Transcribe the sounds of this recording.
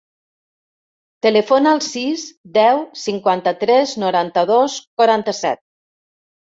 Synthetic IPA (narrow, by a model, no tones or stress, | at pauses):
t̪elefonalˠsisd̪ɛwsiŋkwant̪ət̪ɾɛznuɾant̪əðoskwaɾant̪əsɛ̰t̪̚